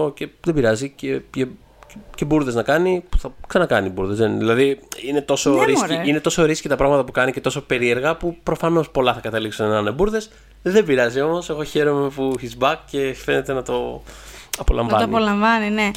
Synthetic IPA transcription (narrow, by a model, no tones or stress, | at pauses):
oce̞ðe̞biɾɐzicece | ece̞buɾðe̞znɐkɐnipu̥θɐksɐnɐkɐnibuɾðe̞zðenðilɐðiine̞t̪o̞soɾiiine̞t̪o̞so̞ɾiskcit̪ɐpɾɐɣmɐt̪ɐpukɐnice̞t̪o̞so̞pe̞ɾie̞ɾɣɐpupɾo̞fɐno̞spo̞lɐθɐkɐt̪ɐliksunenɐnebuɾðe̞s | ðe̞biɾɐzio̞mo̞se̞ɣo̞çe̞ɾo̞me̞puçit͡sbɐkce̞fe̞ne̞t̪e̞nɐt̪o̞ | ɐpo̞lɐɱvɐ̰t̪oɐniolɐɱvɐnine